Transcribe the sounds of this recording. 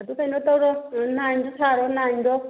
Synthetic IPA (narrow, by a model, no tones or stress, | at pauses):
d̪ukʰainɔt̪auɾɔnandɔt̪ʰaɺɔnandɔ